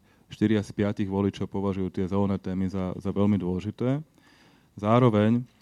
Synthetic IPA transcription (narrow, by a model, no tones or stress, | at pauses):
ʃt̪iɾiaspɪaciɣʋɔlit͡ʃɔʊpɔʋaʒujuːt̪ɪɛzɛlɛnɛːt̪ɛːmizazaʋɛlmid̪ʊɔlɛʒit̪ɛː | zaːɾɔʋɛɲ